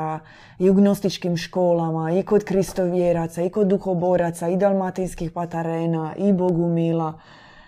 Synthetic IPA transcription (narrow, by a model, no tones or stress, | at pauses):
a | uɡnost̪it͡ʃkimʃkoːlamaikod̪kɾist̪oʋjeɾat̪saiko̞d̪ːuxoboɾat̪said̪alˠmat̪inskixpat̪aɾeːnaʔiboɡumila